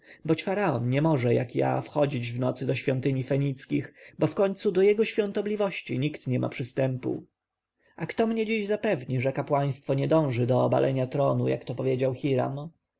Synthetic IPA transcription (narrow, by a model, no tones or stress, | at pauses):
bɔt͡ɕfaɾaɔnɲɛmɔʐɛja̰kja̰fxɔd͡ʑid͡ʑvnɔt̪sɘd̪ɔɕfʲjɔnt̪ɘɲifɛɲit̪skʲixbɔfkɔɲt̪sud̪ɔjɛɡɔɕfʲjɔ̃nt̪ɔblʲivɔɕt͡ɕiɲikt̪ɲɛmʔa̰pʂɘst̪ɛmpṵ | akt̪ɔmɲɛd͡ʑiʑzapɛvɲiʐɛkapwaj̃st̪fɔɲɛd̪ɔ̃w̃ʐɘd̪ɔːba̰lʔɛɲat̪ɾɔnuja̰kt̪ɔpɔvʲjed͡ʑawxiɾa̰m